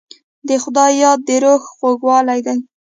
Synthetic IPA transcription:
d̪əxʊd̪ɑjjːɑd̪̚ːəɾoxxoɡwɑlajd̪aj

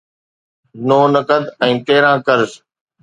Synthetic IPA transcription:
noːnəkəd̪ɛ̃ːt̪eːɾãːkəɾs

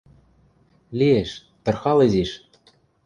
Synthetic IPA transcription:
lʲieʃ | t̪ɤ̆rxɑleziʃ

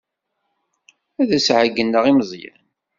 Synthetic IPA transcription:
æðæsʕəɡənːəʁiməzˤjæ̰n

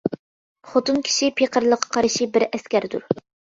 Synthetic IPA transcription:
χot̪unkʲʰi̥ʃipʰeqʰəɾlˠəqʰːɑ̥qʰɑɾɨʃibɪɾɛskʲæɾd̪ṵɾ

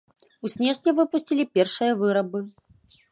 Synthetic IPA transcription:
usʲnʲɛʐnʲɛvɨpusʲt͡sʲilʲipʲɛrʂɨjɐvɨɾɐbɨ

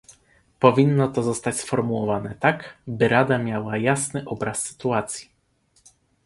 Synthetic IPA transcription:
pɔvʲinːɔt̪ɔzɔst̪at͡ɕʲsfɔɾmuwɔvanɛt̪akbɘɾad̪amʲjawajasnɘʔɔbɾasːɘ̥t̪uat̪sʲji̥

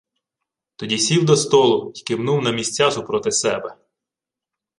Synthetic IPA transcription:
t̪ɔdʲisʲiwd̪ɔst̪ɔlˠʊjkɪwnuwnɐmʲisʲt͡sʲːasʊpɾɔt̪ɪsɛbɛ

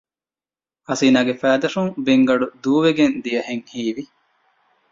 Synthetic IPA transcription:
hɐsiːnaːɡefæːd̪ɐʂuŋbeŋɡɐɖud̪uːʋeɡend̪ijɐheŋhiːʋi

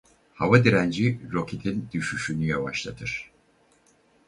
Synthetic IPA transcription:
havad̪iɾænd͡ʒiɾo̞kʰet̪ʰind̪̥yʃyʃynyjavaʃlˠat̪ʰɯɾ̥

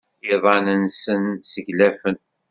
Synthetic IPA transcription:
ɪðˤɑnənsənsəʝlæfən

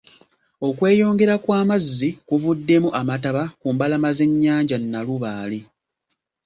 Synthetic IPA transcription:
o̞kwe̞ːjo̞ːŋɡe̞ɾakwaːmazːikuvudːe̞muʔamataβakuːmbalamaze̞ɲːaːɲɟanːaluβaːli

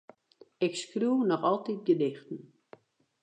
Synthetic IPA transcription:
ɪkskruwnɔxɔlˠtit̚ɡədɪxtn̩

